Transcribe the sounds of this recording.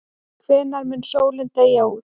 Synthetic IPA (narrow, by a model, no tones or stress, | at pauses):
kʰvɛːnaɾmɪnsoːwlɪnt̪eːjau